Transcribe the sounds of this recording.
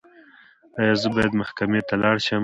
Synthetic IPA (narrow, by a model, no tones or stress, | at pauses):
ɑjɑzəbɑjad̪mahkamet̪alɑɽʃəm